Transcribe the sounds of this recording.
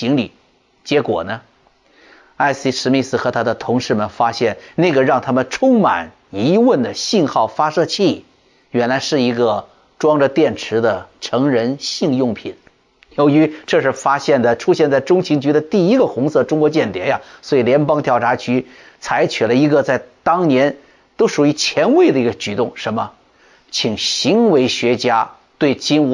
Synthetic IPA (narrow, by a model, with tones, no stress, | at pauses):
t͡ɕi˧˥ŋli˨˩˦ | t͡ɕjɛ˧˥kwɔ̰˨˩nə˦ | a˥˩ɪsi˧˥ʂɻ̩˧˥mi˥˧sɹ̩˥˩xɤ˧˥t̪ʰa˥d̪ə˨t̪ʰʊ˧˥ŋʂɻ̩˥˩mə˨˩nfa˥ɕjɛ˥˩nna˥˩ɡə˩ɻɑ˥˩ŋt̪ʰa˥mə˨nʈ͡ʂʰʊ˥ŋma̰˨˩n | i˧˥wə˥˩nd̪ə˩ɕi˥˧nxɑ˥˩ʊfa˥ʂɤ˥˧t͡ɕʰi˥˩˨ | jɥɛ˧˥nla˧˥ɪʂɻ̩˥˩i˧˥ɡə˧ | ʈ͡ʂwɑ˥ŋʈ͡ʂə˧t̪jɛ˥˩nʈ͡ʂʰɻ̩˧˥d̪ə˧ʈ͡ʂʰɤ˧˥ŋɻə˧˥nɕi˥˧ŋjʊ˥˩ŋpʰḭ˨˩˦n | jo˧˥ʊy˧˥ʈ͡ʂɤ˥˧ʂɻ̩˥˩fa˥ɕjɛ˥˩nd̪ə˩ʈ͡ʂʰu˥ɕjɛ˥˧nt͡sa˥˩ɪʈ͡ʂʊ˥ŋt͡ɕʰi˧˥ŋt͡ɕy˧˥d̪ə˧t̪i˥˩i˥ɡə˧xʊ˧˥ŋsɤ˥˩ʈ͡ʂʊ˥ŋkwɔ˧˥t͡ɕjɛ˥˩nt̪jɛ˧˥nja˧swɔ˧˥i˨˩ljɛ˧˥npɑ˥ŋt̪ʰjɑ˥˩ʊʈ͡ʂʰa˧˥t͡ɕʰy˧˥ | t͡sʰa˧˥ɪt͡ɕʰy˨˩lə˦i˧˥ɡə˧t͡sa˥˩ɪt̪ɑ˥ŋnjɛ˧˥n | t̪o˥ʊʂu˨˩y˧˥t͡ɕʰjɛ˧˥nwe˥˩ɪd̪ə˩i˧˥ɡə˧t͡ɕy˨˩t̪ʊ˥˩ŋʂə˧˥nmə˧ | t͡ɕʰi˨˩ŋɕi˧˥ŋwe˧˥ɪɕɥɛ˧˥t͡ɕja˥ | t̪we˥˩ɪt͡ɕi˥n˧